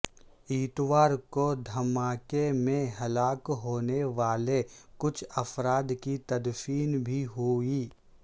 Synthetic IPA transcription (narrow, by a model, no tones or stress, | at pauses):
iːt̪ʋaːɾkod̪ʱɐmaːkemẽɦɐlaːkɦoːneʋaːlekʊt͡ʃʰɐfɾaːd̪kit̪ɐd̪fiːnbʱiɦoiː